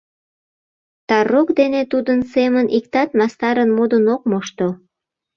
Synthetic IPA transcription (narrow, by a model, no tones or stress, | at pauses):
t̪ɑrokd̪enet̪ud̪ənsemənʔikt̪ɑt̪mɑst̪ɑɾənmod̪ənokmoʃt̪o